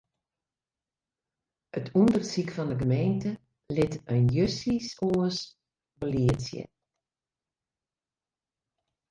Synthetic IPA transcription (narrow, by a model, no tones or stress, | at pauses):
ətʰundərsikfɔndəɡəmejntə | lɪtənjøsisoəs | boəliəsjə̰